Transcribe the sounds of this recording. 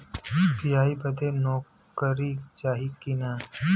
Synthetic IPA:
pijaːibəd̪enɔː | kəɾit͡ʃaːɦikinaː

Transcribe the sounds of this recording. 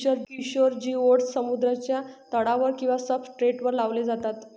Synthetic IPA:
əɾiɕoɾd͡ʑiːoʈsːəmud̪ɾat͡ɕjat̪əɽaʋəɾkĩw̃ʋasəfʈɾeʈʋəɾlaʋled͡zat̪at̪

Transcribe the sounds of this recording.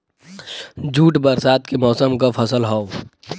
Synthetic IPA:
d͡ʒuːʈbəɾsaːt̪̚kemɔːsəmkapʰəsəlɦa

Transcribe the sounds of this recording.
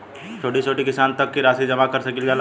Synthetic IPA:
t͡ʃʰoːʈit͡ʃʰoːʈikɪsaːnt̪ɐkːiɾaːsid͡ʒɐmakɐɾsɐkilɡal

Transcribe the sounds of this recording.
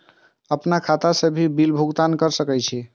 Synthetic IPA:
əpnakʰat̪asəbʱibilbʱuɡt̪ankəɾsəkɛjt͡ʃʰi

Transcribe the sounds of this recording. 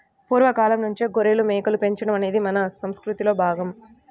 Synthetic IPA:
puːɾʋɐkaːlɐmnuɲt͡ʃiɡoɾelumeːkɐlupe̞ɲt͡ʃɐɽɐmɐne̞ːd̪imɐnɐsɐmskɾut̪ilo̞ːbʱaːɡɐm

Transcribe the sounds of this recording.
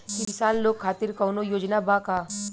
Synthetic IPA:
kɪɪsaːnloːɡʰaːt̪ɪɾkɐːnojoːd͡ʒnabaːkaː

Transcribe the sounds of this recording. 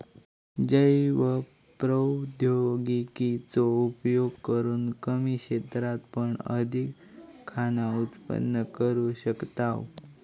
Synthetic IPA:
d͡ʑəjʋə | pɾəd̪ʱjoɡikit͡soupjoɡkəɾuːnkəmiɕet̪ɾat̪pəɳə̰d̪ʱikʰː | anaut̪pə̰nːəkəɾuɕəkt̪aw

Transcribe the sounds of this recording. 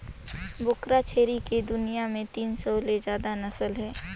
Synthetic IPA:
bʊkɾat͡ʃʰeːɾiked̪ʊnijamẽt̪iːnsɔːlezjaːd̪anɐsəlɦɛː

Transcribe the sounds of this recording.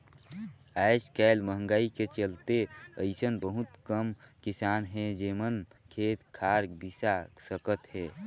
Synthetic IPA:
ajskaːlməɦə̃ŋɡaiket͡ʃəlt̪eəɪsənbəɦut̪kəmkisaːnɦɛd͡ʒemən | kʰeːt̪kʰaːɾbisasəkət̪ɦɛː

